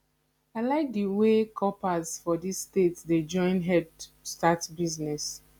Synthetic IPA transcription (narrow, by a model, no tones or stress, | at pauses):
aɪlaɪk̚diwekʰɔpazfɔdisːtetsded͡ʒɔ̃ɪ̃nɦɛdstatbiznɛs